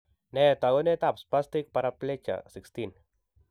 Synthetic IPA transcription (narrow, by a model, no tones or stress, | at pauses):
nɛt̪aɡonet̪ap̚splast̪ik̚paɾaplet͡ʃa̰sikst̪in